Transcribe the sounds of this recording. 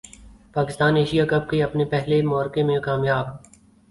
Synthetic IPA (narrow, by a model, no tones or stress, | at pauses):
paːkɪst̪aːneːʃijakɐb̚keɐpnepɛɦlemɔːɾkemẽkaːmjaːb